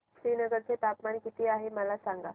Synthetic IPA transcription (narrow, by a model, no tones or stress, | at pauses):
sɾiːnəɡəɾt͡set̪apmankit̪iːaɦeməlasaŋɡa